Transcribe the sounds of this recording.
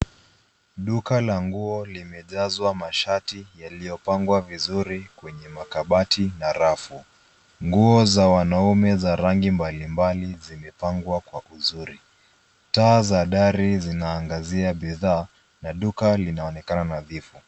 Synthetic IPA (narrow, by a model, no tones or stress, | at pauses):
ɗukalaŋɡuɔlimɛʄazwamaʃatijalijɔpaŋɡwavizuɾikwɛɲɛmakaɓatinaɾafu | ŋɡuɔzawanaumɛzaɾaŋɡimbalimbalizimɛpaŋɡwakwaʔuzuɾi | taːzaɗaɾizinaːŋɡaziaɓiðaː | naɗukalinaɔnɛkananaðifu